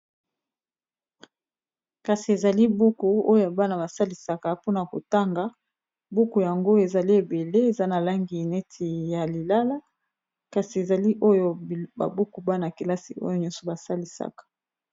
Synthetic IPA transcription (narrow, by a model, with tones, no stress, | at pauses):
ka˨si˨e˨za˨li˦bu˦ku˨o˦jo˨ba˦na˨ba˨sa˦li˨sa˨ka˨po˦na˨ko̰˨ta˦ŋɡa˨ | bu˦ku˨ja˨ŋɡo˦e˨za˨li˦e˨be˨le˦e˨za˦na˨la˦ŋɡi˨nɛ˦tʰi˨ja˨li˨la˦la˦ | ka˨si˨e˨za˨li˦ʔo˦jo˦ba̰˨bu˦ku˨ba˦na˨ki˨la˦sḭ˨o̰˦jo˨ɲɔ̃˦nsɔ˨ba˨sa˦li˨sa̰˨kḁ˨